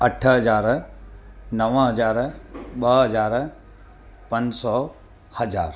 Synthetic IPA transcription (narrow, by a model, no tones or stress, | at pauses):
ɐʈʰɦɐzaːɾ | nɐʋ̃ɦɐzaːɾɓɐɦɐzaːɾ | pɐ̃ɲd͡ʑsɔː | hɐzaːɾ